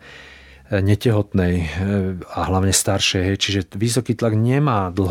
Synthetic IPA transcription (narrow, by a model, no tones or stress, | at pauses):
ɲɛcɛɦɔt̪nɛj | aɦlaʊɲɛst̪aɾʃɛjɦɛjt͡ʃiʒɛʋis̬ɔkiːt̪laɡɲɛmaːd̪l̩ɦ